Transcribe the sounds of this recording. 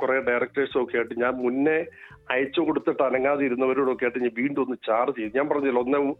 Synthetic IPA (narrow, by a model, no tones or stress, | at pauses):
kureɖɐjrɐk̚ʈresokːejajiʈːɨɲaːnmunːe | ɐjɐt͡ɕːɐkoɽut̪ːiʈːɐnɐŋːaːðiiɾunːɐʋɐɾuːɽo̞kːeajʈːɨɲaʋiːɳɖɨonːɨt͡ɕaːrɨt͡ɕejinːɨɲaːnpɐrɐɲːɐðilːoonːe